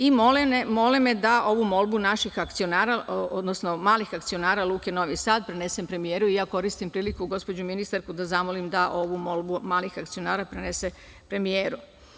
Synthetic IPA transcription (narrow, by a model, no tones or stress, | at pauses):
imolnemo̞limed̪aʔo̞ʋumo̞lˠbunaʃixakt̪sionaːɾaʔod̪nosno̞maːlixak̚t̪sio̞naːɾalˠuːke̞no̞ʋisaːd̪̚pɾene̞se̞mpɾe̞mije̞ːɾuijaːko̞ɾist̪impɾiːlikuɡo̞spod͡ʑuminist̪aɾkud̪azamolimd̪aʔo̞ʋumolˠbumaːlixakt̪sijo̞naːɾapɾenese | pɾe̞mijeːɾu